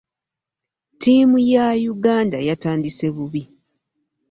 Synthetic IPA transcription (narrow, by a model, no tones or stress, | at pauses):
tʰimujajuɡaːndajataːndise̞βuβi